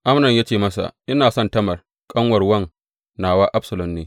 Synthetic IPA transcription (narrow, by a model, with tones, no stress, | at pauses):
ʔa˦mnɐ˨ɲjaː˦t͡ʃeː˨mɐ˦sa̰˨ʔʔɪ˦naː˨sɔ˦ntɐ˦mɐ˨r | kʼɐ˦ŋwɐ˨rwɐ˦ŋ | naː˨waː˦ʔa˦bsɐ˨lɔ˨mːeː˦